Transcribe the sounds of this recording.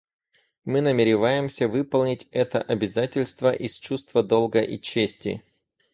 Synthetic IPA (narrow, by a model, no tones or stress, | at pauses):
mɨnəmʲɪɾʲɪvajɪmsʲəvɨpəlˠnʲɪtʲɛt̪əʔɐbʲɪzatʲɪlʲst̪vəʔist͡ɕust̪vəd̪o̞lˠɡəʔit͡ɕːesʲtʲɪ̰